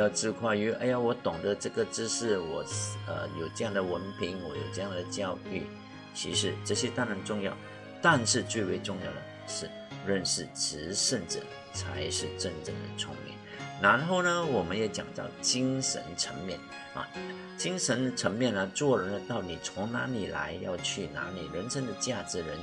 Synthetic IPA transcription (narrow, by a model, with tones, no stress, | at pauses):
jɑ˥˧ʈ͡ʂɻ̩˥˧kʰwa˥˩ɪy˧˥ɐ˧˥ɪja˧wɔ˧˥t̪ʊ˨˩ŋd̪ə˦ʈ͡ʂɤ˥˩ɡə˩ʈ͡ʂɻ̩˥ʂɻ̩˥˩wɔ˨˩ə̰˧jo˨˩ʊʈ͡ʂɤ˥˧jɑ˥˩ŋd̪ə˩wə˧˥npʰi˧˥ŋwɔ˧˥jo̰˨˩ʊʈ͡ʂɤ˥˧jɑ˥˩ŋd̪ə˩t͡ɕjɑ˥˧ʊy˥˩ | t͡ɕʰḭ˧˥ʂɻ̩˧ʈ͡ʂɤ˥˩ɕjɛ˥t̪a˥na˧˥nʈ͡ʂʊ˥˧ŋjɑ˥˩ʊ | t̪a˥˧nʂɻ̩˥˧t͡swe˥˩ɪwe˧˥ɪʈ͡ʂʊ˥˧ŋjɑ̰˥˩ʊd̪ə˨˩ʂɻ̩˥˩ | ɻə˥˧nʂɻ̩˥˩ʈ͡ʂɻ̩˧˥ʂə˥˧nʈ͡ʂɻ̩˥˩ | t͡sʰa̰˧˥ɪʂɻ̩˥˧ʈ͡ʂə˥˧ŋʈ͡ʂɤ˥˩ŋd̪ə̰˩t͡sʰʊ̰˧˥ŋmɛ̰˨˩˦nɻa˧˥nxo˥˩ʊnə˧wɔ˨˩mə˦njɛ˧˥t͡ɕjɑ̰˨˩ŋt̪ɑ̰˥˩ʊt͡ɕi˥ŋʂə̰˧˥nʈ͡ʂʰə˧˥ŋmjɛ̰˥˩n | ɐ̰˨˩ | t͡ɕi˥ŋʂə˧˥nʈ͡ʂʰə˧˥ŋmjɛ˥˧nə˨t͡swɔ˥˩lə˩nə˧t̪ɑ˥˩ʊni˨˩t͡sʰʊ˧˥ŋna̰˧˥li˨˩la̰˧˥ɪjɑ̰˥˧ʊt͡ɕʰy˥˩na̰˧˥li˨˩ɻə˧˥nʂə˥ŋd̪ə˨t͡ɕja˥˩ʈ͡ʂɻ̩˧˥ɻə˧˥n